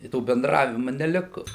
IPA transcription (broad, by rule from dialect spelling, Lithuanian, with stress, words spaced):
ɪ ˈtoː bʲɛnˈdrɑːʋʲɪmʊ nʲɛˈlʲɪkʊ